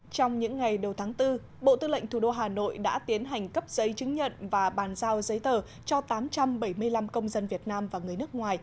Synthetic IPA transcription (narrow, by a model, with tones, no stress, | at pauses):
t͡ɕɔ˧wŋ͡mɲɨ̰˧˥ŋːa˨˩jɗə˨˩wt̪ʰaː˨˦ŋt̪ɨ˧ | ɓo̰˧˨t̪ɨ˧lə̰˧˨ŋ̟t̪ʰu˧˩ɗo˧ɦaː˨˩no̰˧˨jɗa̰ː˧˥t̪i˨˦ənɦa˨˩jŋ̟kə˦˥p̚z̥ə˨˦jt͡ɕɨ˨˦ŋ̟ɲə̰˧˨nvaː˨˩ɓaː˨˩nzaː˧wzə˨˦jt̪əː˨˩ | t͡ɕɔ˧t̪aː˨˦mt͡ɕa˧mɓə˧˩jmɨ˧əjla˧mkə˧wŋ͡mzə˧nvi˨˩ət̚naː˧mvaː˨˩ŋɨ˨˩əjnɨ˦˥ək̚ŋwaː˨˩j